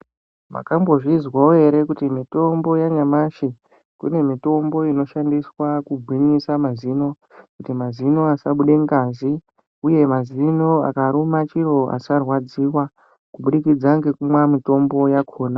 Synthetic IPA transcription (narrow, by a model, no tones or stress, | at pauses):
ma̰kambo̞ʐizwaoe̞ɾe̞kutimito̞mbo̞jaɲamaʃe | kṵne̞mito̞mbo̞ino̞ʃandiswakubʱwiɲisamazino̞ | kutimazino̞asaɓuɗe̞ŋɡazi | uje̞mazino̞a̰kaɾumat͡ʃiɾo̞ʔa̰sarwad͡ziwa | kuɓuɗikid͡zaŋɡe̞kumwamito̞mbo̞jakʰo̞ːna